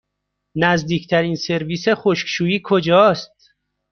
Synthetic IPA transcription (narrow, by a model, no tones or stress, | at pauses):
næzd̪iːkʰt̪ʰæɾiːnse̞ɾviːseχoʃkʃuːjiːkʰod͡ʒɒːst̪̚